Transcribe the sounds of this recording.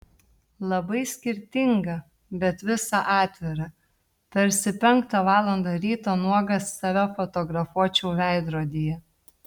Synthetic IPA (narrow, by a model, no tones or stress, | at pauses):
lˠɐbɐɪsʲkʲɪɾʲt̪ʲɪŋɡɐ | bʲɛt̪ʋʲɪsɑʔɑːt̪ʲʋʲɪɾɐ | pʲɛɾʲsʲɪpʲɛŋkt̪ɐʋɑːlˠɐnd̪ɐɾʲiːt̪oːnuɔɡɐsːɑːʋʲæfɔt̪ɔɡɾɐfuɔt͡ʃʲɛʊʋʲæˑɪd̪ɾoːd̪ʲijɛ